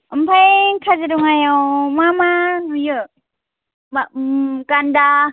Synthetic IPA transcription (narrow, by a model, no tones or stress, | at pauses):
əmpʰajŋkʰazɯɾuŋajawmamanujɯ | makanda